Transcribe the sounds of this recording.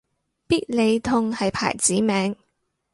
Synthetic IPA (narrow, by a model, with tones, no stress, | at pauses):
piː˥t̚le˨˧jt̪ʰʊ˧ŋhɐ˨jpʰa̰ː˨˩jt͡siː˨˥mɛː˨˥ŋ